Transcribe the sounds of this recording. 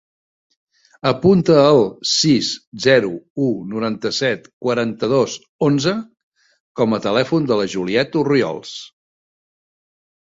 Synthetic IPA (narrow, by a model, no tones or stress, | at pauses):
əpunt̪əːlˠsiszɛɾuunuɾant̪əsɛt̪kwəɾant̪əðos | onzə | kɔmət̪əlɛfund̪ələʒuliɛt̪uriɔ̰lˠs